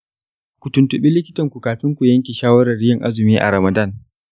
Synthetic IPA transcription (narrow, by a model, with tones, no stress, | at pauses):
kʷu˨tʊ˨ntʊ˨ɓiː˦lɪ˦kʲɪ̥˦tɐ˨ŋkʷu˨kaː˨ɸɪ˦ŋkʷu˨jɐ˦ŋkʲi˨ʃaː˦wɐ˦ɾɐ˨rːɪ˦jɐ˨ŋʔa˦zɪ˨miː˦ʔa̰˨ɾɐ˨mɐ˨da˦˨n